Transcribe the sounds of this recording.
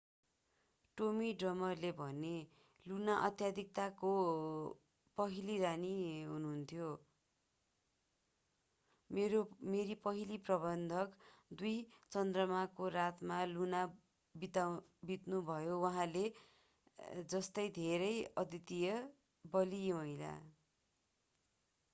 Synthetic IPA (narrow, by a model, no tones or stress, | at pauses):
ʈomiɖrʌmʌrlebʱʌne | lunaʔʌt̪jad̪ʱik̚t̪ako | pʌɦiliɾaniɦunuɦnt̪ʰjo | meɾomeɾipʌɦiliprʌbʌnd̪ʱʌkd̪ujt͡sʌnd̪rʌmakorat̪maluna | bit̪awbit̪nubʱʌjowʌɦãle | d͡zʌst̪ʌjd̪ʱeɾʌjʌt̪it̪ijʌ | bʌlimʌɦila̰